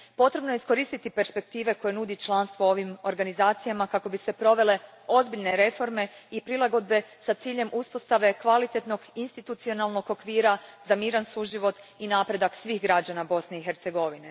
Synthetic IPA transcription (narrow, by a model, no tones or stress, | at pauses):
po̞t̪ɾe̞bno̞je̞isko̞ɾiːst̪it̪ipe̞ɾspe̞k̚t̪iːʋe̞ko̞je̞nud̪it͡ʃlˠanst̪ʋoo̞ʋimo̞ɾɡanizaːt̪sijamakako̞bise̞pɾo̞ʋe̞le̞ | o̞zbiʎne̞ɾe̞fo̞ɾme̞ipɾilˠaɡo̞d̪̚be̞sat̪siːʎe̞mʔuspo̞st̪aʋe̞kʋalit̪e̞t̪no̞ɡinst̪it̪ut̪sio̞nalˠno̞ɡo̞kʋiːɾazamiːɾansuʒiʋo̞t̪inaːpɾe̞d̪aksʋiːxɡɾad͡ʒanabo̞sne̞ixe̞ɾt̪seɡo̞ʋine̞